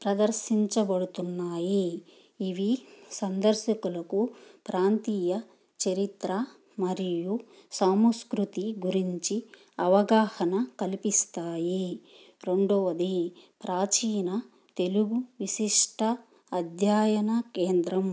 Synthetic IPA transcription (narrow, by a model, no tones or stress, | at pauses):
pɾɐd̪ɐɾʃiɲt͡ʃɐbɐɽut̪unːaːjiː | ʋisɐnd̪ɐɾʃɐkulɐkupɾaːnt̪iːjɐ | t͡ʃɐɾit̪ɾɐ | mɐɾiju | saːmskɾut̪iɡuɾiɲt͡ʃi | ɐʋɐɡaːhɐnɐkɐlipist̪aːji | ɾeɳɖɔʋɐd̪ipɾaːt͡ʃiːnɐ | t̪e̞luɡuʋiʃiʂʈʰɐː | d̪ʱjaːjɐnɐkeːnd̪ɾɐm